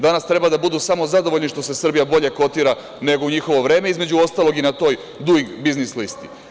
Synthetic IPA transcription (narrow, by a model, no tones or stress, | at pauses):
d̪anast̪ɾe̞bad̪abud̪usamo̞zad̪o̞ʋoʎniʃt̪o̞se̞sr̩bijabo̞ʎe̞ko̞t̪iːɾa | ne̞ɡouɲixo̞ʋo̞ʋɾe̞ːme̞izme̞d͡ʑuo̞st̪aːlo̞ɡinat̪o̞ːj | d̪uɡiɡbiznislist̪i̥